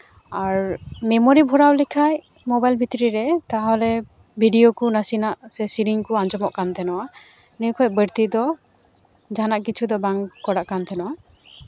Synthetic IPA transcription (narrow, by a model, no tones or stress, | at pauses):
aɹmɛmɔɾibʱɔɾawlikʰaj | mɔbajlbʱit̪ɾiɾɛt̪aɦɔlɛ | bʱiɖijɔkunasinaʔsɛsiɾiŋkuand͡ʒɔmɔʔkant̪ʰɛnɔwa | nekʰɔj̚bəɾt̪id̪ɔ | d͡ʒʱanaʔkit͡ʃʰud̪ɔbaŋkɔɽaʔkant̪ʰɛnɔwa